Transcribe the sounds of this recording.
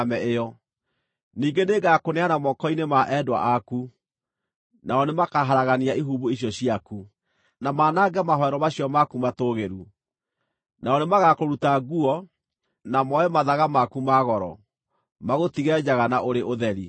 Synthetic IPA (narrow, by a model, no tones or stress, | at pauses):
mɛejɔ | niːɡeneɡakoneanamɔkɔinemaʔɛdwa̰ʔaku | naɔnemakaɦaɾaɣaniaiɦuːβuiɕjɔɕiaku | namaːnaɡɛmaɦɔɛɾɔmaɕijɔmakumatoːɣeɾu | naɔnemaɣakoɾutaɡuɔ | namɔɛmaðaɣamakumaɣɔɾɔ̰ | maɣotiɣɛd͡ʑaɣanaʔoɾeʔoðɛɾi